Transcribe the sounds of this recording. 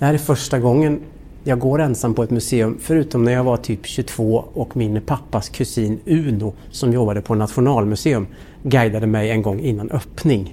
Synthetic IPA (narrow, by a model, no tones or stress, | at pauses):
d̪̥ɛhæːɾɛfœʂʈaɡɔŋːən | jɑːɡɡoːɾɛnsamːpʰɔɛt̪mɵseːɵmfœɾʉ̟ːt̪ɔmnæɾjɑːɡvaʈʰyːpɕɵt̪ʰv̥oːɔkmɪnpʰapːaskʰɵsiːnʉ̟ːnʊ | sɔmjɔbːad̪əpʰɔnat̪ɧʊnɑːlmɵseːɵm | ɡæjd̪ad̪əmɛjɛnɡɔŋːɪnːanʔœpnɪŋ